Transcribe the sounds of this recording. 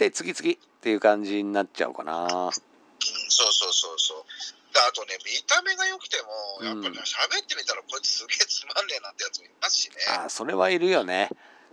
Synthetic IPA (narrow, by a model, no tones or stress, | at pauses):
t̪et͡sɨɡʲit͡sɨɡʲi | t̪ːe̞jɯ̟ːkãɲ̟d͡ʑiɲ̟inat͡ɕa̰ɯ̰ka̰naː | ɯ̃so̞ːso̞ːso̞ːsoːd̪̥aat̪o̞ne̞mʲit̪ame̞ɡajo̞kɯ̟̥t̪e̞mo̞jjãpːaɾiaɕabe̞t̪ːe̞mʲit̪aɾakoit͡sɨ̥sɨɡet͡sɨmãnːe̞nãnt̪e̞jat͡sɨmoiimasɨ̥ɕinea̰ːso̞ɾe̞βaiɾɯ̟jo̞ne̞